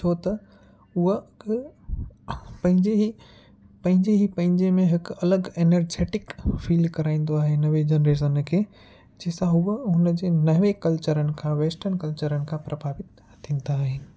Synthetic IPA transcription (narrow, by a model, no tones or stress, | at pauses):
t͡ʃʰoːt̪ɐ | ʊɦə | pɐ̃ɦɪ̃ɲd͡ʑeɦi | pɐ̃ɦɪ̃ɲd͡ʑeɦipɐ̃ɦɪ̃ɲd͡ʑemẽɦɪkɐləɡeːneɾd͡ʑeːʈɪkfiːlɖkɐɾaːĩːn̆d̪oaːɦenɐʋed͡ʑenɾeːʃ̬ənkʰeː | d͡ʑeːsãɦʊɦɦʊnəd͡ʑeːnɐʋekɐlt͡ɕəɾənɪ̆kʰãʋeːsʈəɾnkɐlt͡ɕəɾənɪ̆kʰãpɾʔɐbʱaːʋɪt̪ | t̪ʰĩːnd̪aːɦeːnɪ